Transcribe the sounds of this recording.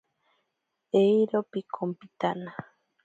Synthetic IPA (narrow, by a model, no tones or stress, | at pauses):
ejɾopikʰompit̪ana